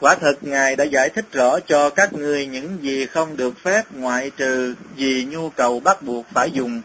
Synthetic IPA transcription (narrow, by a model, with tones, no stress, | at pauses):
kwaː˨˦t̪ʰɨ˨˩k̚ŋaː˨˩jɗa̰ː˧˥zaː˧˩jt̪ʰï˦˥k̟̚zɔ̰˧˥t͡ɕɔ˧kaː˦˥k̚ŋɨ˨˩əjɲɨ̰˧˥ŋzi˨˩xə˧wŋ͡mɗɨ˨˩ək̚fɛ˦˥p̚ŋwa̰ː˧˨jt͡ɕɨ˨˩zi˨˩ɲu˧kə˨˩wɓa˦˥k̚ɓu˨˩ək̚faː˧˩jzʊ˨˩ŋ͡m